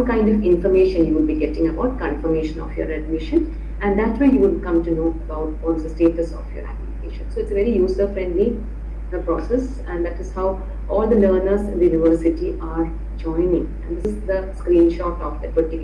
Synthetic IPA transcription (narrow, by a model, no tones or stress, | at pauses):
ɔʈ̚kãɪ̃ɳɖɔʋɪ̃nfɔɾmeːʃə̃njuːʋʊɖ̚biɡɛʈɪ̃ŋəbaʊʈ̚kɔ̃nfəɾmeːʃə̃nɔ̰ːfjɔ̰ːɾæɖ̚mɪʃə̃n | æ̃ɳɖd̪æʈsʋaɪjuʋʊɖkʌ̃mʈunoːəbaʊʈɔːd̪əsʈeːʈəsɔ̰fjə̰ːɾæ̰pjunɪkḛːʃə̃nsoːɪʈsəʋɛɾijuːsəfɾɛ̃ɳɖli | pɾɔːsɛs | æ̃nɖd̪æʈɪz̥haʊ | ʔɔːld̪ələːɾnəɾsɪ̃nd̪əjũnɪʋəːɾsɪʈiʔaːɾ | d͡ʒɔ̃ɪ̃nɪ̃ŋæ̰̃nd̪ɪssd̪əskɾĩːnʃɔːʈɔfd̪æʈʋəɖʈik